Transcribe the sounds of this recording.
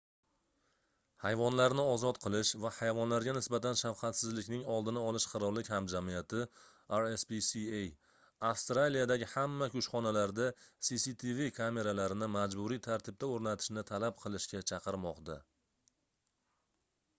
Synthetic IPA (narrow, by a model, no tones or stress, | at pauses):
hajvɒnlaɾnɪɒzɒt̪qʰɨlˠɪʃvahajvɒnlaɾɡʲanɪsbat̪anʃafqʰɑt̪sɪzlɪkʲnɪŋɒlˠd̪ɪnaɒlˠɪʃqʰɨɾɒlːɪkʲhamd͡ʒamijat̪ʰɪ | aɾespisiej | afst̪ɾalijad̪aɡʲɪhamːakʲʰʊʃχɒnalaɾd̪asisit̪ʰivikʰame̞ɾalaɾɪnɪmad͡ʒbʊɾijt̪ʰaɾt̪ʰɪb̚t̪aoɾnat̪ʰɪ̥ʃnɪt̪ʰalap̚qʰɨlˠɪʃkʲat͡ʃʰɑqɨɾmɒqt̪a